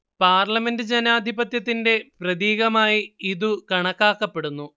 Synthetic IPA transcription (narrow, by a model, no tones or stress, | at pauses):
paːrlɐme̞ndɨd͡ʑenaːd̪ʱibɐt̪jɐt̪̬ːinde̞prɐðiːɣɐmaːjiiðukɐɳɐkːaːkːɐpːe̞ɽunːu